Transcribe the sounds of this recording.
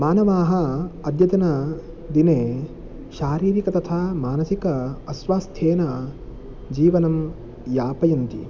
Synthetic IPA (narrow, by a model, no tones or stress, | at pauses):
maːnɐʋaːɦɐɐd̪jɐd̪ɐnɐ | d̪ineː | ʃaːɾiːɾikɐt̪ɐt̪ʰamaːnɐsikɐɐsʋaːst̪ʰeːnɐ | d͡ʒiːʋɐnɐm | jaːpɐjɐnt̪ḭ